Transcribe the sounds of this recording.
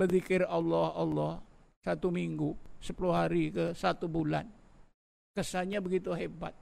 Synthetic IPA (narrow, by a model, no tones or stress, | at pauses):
bəðikɪralːɔhɑlːɔh | sat̪umiŋɡusəpulʊhɦaɾikəsat̪ubula̰n | kəsaɲabəɡit̪uɦebat̪̚